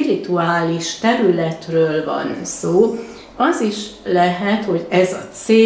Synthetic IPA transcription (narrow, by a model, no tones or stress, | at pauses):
iɾit̪uaːliʃt̪ɛɾylɛt̪røːlvɒ̰nsoː | ɒziʃlɛɦɛt̪ho̞ɟɛzɒt̪seː